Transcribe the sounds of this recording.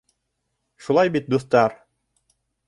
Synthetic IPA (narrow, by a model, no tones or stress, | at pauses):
ʃulˠɑjbit̪̚d̪uθt̪ɑɾ